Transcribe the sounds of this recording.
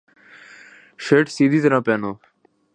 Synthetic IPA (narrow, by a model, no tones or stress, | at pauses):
ʂeːʈsiːd̪izeɾãːpeːnoː